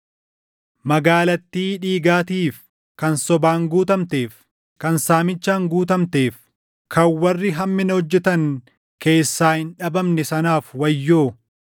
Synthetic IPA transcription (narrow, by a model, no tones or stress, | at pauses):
mɐɡaːlɐt̪ːiːᶑiːɡaːt̪iːf | kɐnsɔbaːŋɡuːt̪ɐmt̪e̞ːf | kɐnsaːmɪt͡ʃːaːŋɡuːt̪̬ɐmt̪e̞ːf | kʰɐwːɐrːɪɦɐmːɪnɐhɔd͡ʒːɛt̪ɐŋ | ke̞ːsːaːhɪnᶑɐbɐmnɛsɐnaːfwɐjːoː